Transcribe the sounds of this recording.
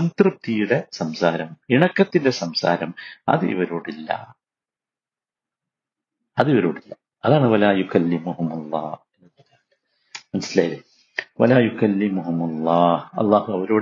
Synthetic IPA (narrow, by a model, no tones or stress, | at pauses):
ɐnt̪rɨp̚t̪ijuɽe̞sɐmsaːɾɐmiɳɐkːɐt̪ːinde̞sɐmsa̰ːɾɐmɐ̰ðɨʔḭʋɐɾoːɽilːɐ̰ | ɐðiʋɐɾoːɽilːɐ | ɐðaːɳɨʋɐlaːjukɐlːimuɦumɐlˤːɑ̰ːhenːɐnɐlːaː | mɐnɐsːilɐil | ʋɐlaːjukɐlːimuɦumɐlˤːɑːhɐ̰lˠˤːɑːhuɐʋɐɾoːɽ